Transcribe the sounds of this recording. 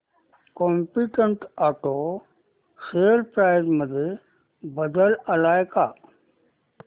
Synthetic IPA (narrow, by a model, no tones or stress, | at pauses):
koːmpiʈəɳʈaːʈoː | seɾpɾaːɪzməd̪ʱə | bəd̪əlɐlaːjkaː